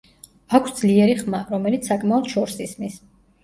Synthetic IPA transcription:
akʰsd̪zliɛɾiχmaɾɔmɛlit̪ssakʼmaɔd̪ʃɔɾsismis

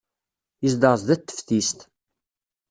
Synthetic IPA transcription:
izd̪əʁzd̪æt̪ːə̥fθist̪

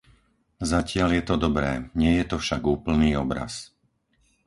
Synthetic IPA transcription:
zacɪaljɛt̪ɔd̪ɔbɾɛːɲɪɛjɛt̪ɔfʃaɡuːpl̩niːɔbɾa̰s

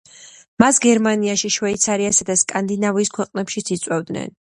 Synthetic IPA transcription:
masɡɛɾmaniaʃiʃwɛit̪sʰaɾiasad̪askʼand̪inaviskʰwɛqʼnɛpʃit̪sʰit̪sʼwɛvd̪nɛ̰n

